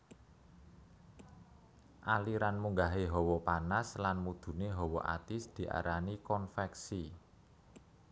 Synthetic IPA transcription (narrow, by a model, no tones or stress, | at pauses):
ʔaliɾanmuŋɡaɦeɦɔwɔpanaslanmud̪̥ṳneɦɔwɔʔa̰t̪ɪsd̪̥i̤ʔa̰ɾanikɔnfɛksi